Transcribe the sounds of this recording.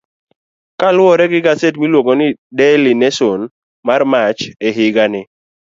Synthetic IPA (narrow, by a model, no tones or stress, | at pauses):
kalwɔɾɛɡɪɡasetmilwoɡonɪdɛlɪnɛson | marmat͡ʃeɦɪɡanɪ